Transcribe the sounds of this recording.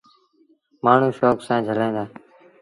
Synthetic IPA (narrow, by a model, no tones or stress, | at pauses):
maːɳ̤ũːʃoːksãːd͡ʒʱəlẽːnd̪aː